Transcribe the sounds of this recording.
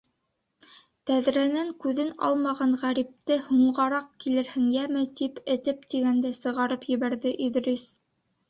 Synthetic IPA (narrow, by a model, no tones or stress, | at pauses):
t̪æðɾænæŋkʉðɘnɑ̰lˠmɑʁɑɴʁæɾip̚t̪ɘhuɴɢɑɾɑq̚kilɘ̆ɾhɘ̆ŋjæmɘt̪ipɘ̆t̪ɘpt̪iɡænd̪æsɤ̆ʁɑɾɤpjɘ̆βæɾðɘʔiðɾis